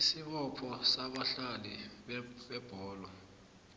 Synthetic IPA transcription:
isiɓɔpʰɔsaɓaɬaliɓɓɛb̥ʱɔːlɔ

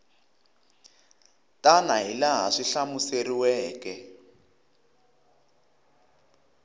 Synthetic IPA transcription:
tanaɦilaɦa̰ʂiɬamuseriwɛːkɛ

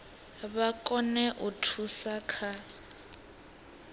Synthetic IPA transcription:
βakʼɔnɛʔutʰusakʰa

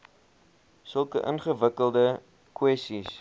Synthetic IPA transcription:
səlˠkə̰ʔə̰nχəvəkəlˠdə | kwɛstis

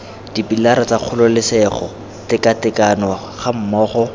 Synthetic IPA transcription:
d̥ipilaɾat͡saq͡χʰʊlʊlɪsɛχɔ̰ | tɪkatɪkanɔ | χam̩mɔːχɔ

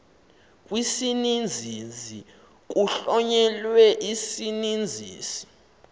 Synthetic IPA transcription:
kʼwisinind͡zʱizi | k̬ʼuɬɔɲɛlwɛʔisinind͡zʱḭːsi̥

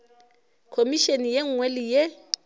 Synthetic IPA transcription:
kʰomiʃenijeŋ̩ŋwelije

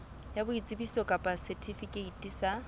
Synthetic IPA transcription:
jabʊit͡sʼɪbisɔkʼapʼasɛtʰifikʼeitʼisa

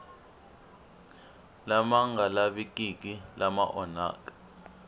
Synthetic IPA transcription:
lamaŋɡʱalaɓikʼikʼilama̰ʔɔna̰ːkʼḁ

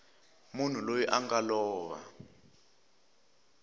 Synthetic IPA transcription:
mun̤ulojiʔaŋɡalɔːβa̰

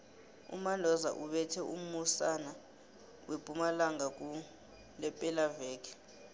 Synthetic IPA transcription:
ṵmalɔza̰ʔuɓɛtʰɛṵm̩usana | wʔepʼumalaŋak̬ʼu | lɛpʼɛlavɛːkʰɛ̥

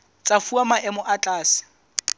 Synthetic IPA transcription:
t͡sʼafuamaʔɛmʊʔat͡ɬʼaːsɪ̥

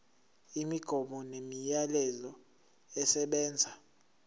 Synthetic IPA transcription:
imiɡ̥ʱɔɓɔnemijalɛzɔ | ɛsɛɓɛːnd͡zʱa

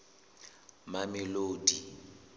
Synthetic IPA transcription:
mamɪloːdi

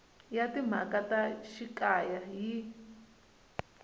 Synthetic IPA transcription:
jat̪imã̰kʼat̪aʃikʼajaji

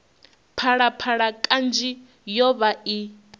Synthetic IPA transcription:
pʰaɺapʰaɺakʼand͡ʒi | jɔβai

